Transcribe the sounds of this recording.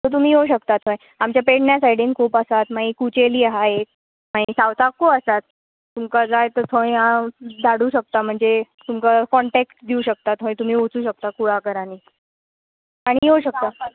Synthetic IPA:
t̪ət̪̬um̤iːɦoɕ̬əkt̪at̪ʰõj | amt͡ɕjapeɽɳjasaiɽinkʰoːpəsat̪maɦĩːkut͡ɕeliːaɦaɦet̪̚ | maɦĩsawt̪akːoəsat̪ː | umkad͡zajt̪əɾt̪ʰõĩãd̪aɽuːɕək̚t̪am̤əɳd͡zet̪umkakɔɳʈekʈd̪iuɕək̚t̪at̪ʰɦõj̃t̪um̤iːot͡suːɕək̚t̪akuɭ̤akəɾaniː | aɽ̃iɦoɕək̚t̪a

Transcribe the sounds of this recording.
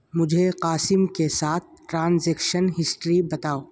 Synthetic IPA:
mʊd͡ʒʱeqaːsɪmkesaːt̪̚ʰʈɾãːnzeːkʃənɦɪsʈɾibɐt̪aːoː

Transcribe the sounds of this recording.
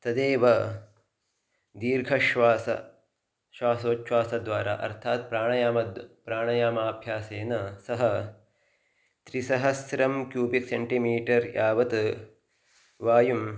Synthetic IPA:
t̪ɐd̪eːʋɐ | d̪iːɾɡʱɐʃʋaːsɐ̰ | ʃʋaːsoːt͡ʃʋaːsɐd̪ʋaːɾa̰ːʔɐ̰ɾt̪ʰaːt̪̚pɾaːɳɐjaːmɐpɾaːɳɐjaːmaːbʱjaːseːnɐsɐɦɐ | t̪ɾisɐɦɐsɾɐmkjuːbikseɳʈimiːʈɐɾjʔaːʋɐt̪ | ʋaːjum

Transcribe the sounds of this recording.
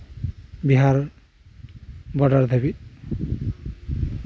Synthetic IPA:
biɦaɹ | bɔdaɹd̪ʱabit̪̚

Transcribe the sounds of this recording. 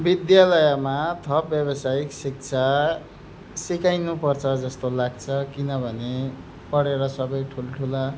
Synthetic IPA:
bid̪jalʌjʌmat̪ʰʌp̚bjʌbʌsajiksik̚t͡sʰa | sikajnupʌrt͡sʰʌd͡zʌst̪olaɡ̚t͡sʰʌkinʌbʱʌne | pʌɽeɾʌsʌbʌjʈʰulʈʰula

